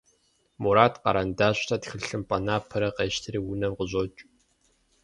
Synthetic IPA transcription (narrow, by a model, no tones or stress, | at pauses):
muɾaːtqɑ̰ɾandaːɕʼtʰatxɨɬɨmpʼɐnaːpʰɐɾɐqeːʃtʰɨriːwʊnɐmqʊʑʼot͡ʃʼ